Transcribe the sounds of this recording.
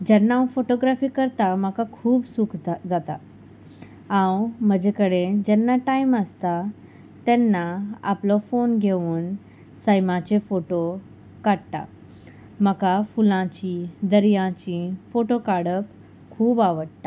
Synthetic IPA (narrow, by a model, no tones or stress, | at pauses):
d͡ʑɛnːawfoʈoɡɾafiːkəɾt̪aməkakʰuːbsukʰd͡zat̪a | ãwm̤əd͡ʑekəɽed͡ʑɛnːaʈaiməst̪a | t̪ɛnːaa̰plɔfonɡʱeʋuːn | səjmãt͡ɕefoʈo | kaɽt̪a̰ | məkafulãt͡ɕid̪əɾjãt͡ɕifoʈokaɽəp | kʰuːbaʋəɽt̪a